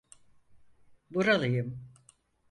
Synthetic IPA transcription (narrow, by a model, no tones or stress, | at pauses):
buɾalˠɯjɯm